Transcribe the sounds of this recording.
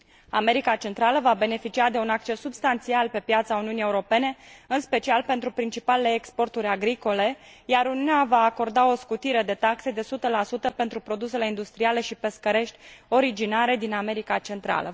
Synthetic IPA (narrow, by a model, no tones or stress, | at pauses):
ame̞ɾikat͡ʃe̞nt̪ɾaləvabe̞ne̞fit͡ʃiad̪e̞unak̚t͡ʃe̞sːubst̪ant̪sialpe̞pjat̪sauniunie̞uɾo̞pe̞ne̞ɨnspe̞t͡ʃialpe̞nt̪ɾupɾint͡ʃipalele̞ːkspo̞rt̪uɾʲaɡɾiko̞le̞jaɾuniuneavaːko̞rd̪ao̞skut̪iɾe̞d̪e̞t̪akse̞d̪e̞sut̪əlasut̪əpe̞nt̪ɾupɾo̞d̪use̞le̞ind̪ust̪ɾiale̞ʃipe̞skəɾe̞ʃt̪ʲo̞ɾid͡ʒinaɾe̞d̪iname̞ɾikat͡ʃe̞nt̪ɾa̰lə̰